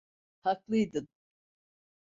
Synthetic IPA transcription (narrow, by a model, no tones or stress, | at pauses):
haklˠɯjd̪ɯn